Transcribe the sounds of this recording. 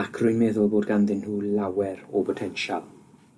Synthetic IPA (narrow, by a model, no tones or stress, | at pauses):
akʰrʊjnmɛðʊlˠboːdɡanðɪnhuːlawɛɾɔpʰɔtʰɛnʃalˠ